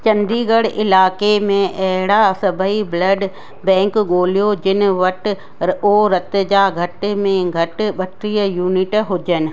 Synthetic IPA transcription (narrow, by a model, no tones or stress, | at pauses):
t͡ʃɐ̃nd̪iːɡəɽʔɪlaːkemẽʔɛɦɽasɐbʱəibləɖ | bɛ̃ːŋkɡoːlijod͡ʒɪnʋɐʈ | oːɾɐt̪d͡ʒaːɡʱɐʈmẽɡʱɐʈɓɐʈɾijəjuːnɪʈɦʊd͡ʒənɪ̆